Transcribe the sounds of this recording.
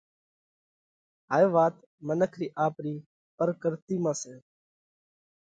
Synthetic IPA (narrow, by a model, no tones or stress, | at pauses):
ɦaːjõːʋaːt̪ | mənəkʰɾiːʔaːpɾiː | pəɾkəɾt̪iːmãːsẽː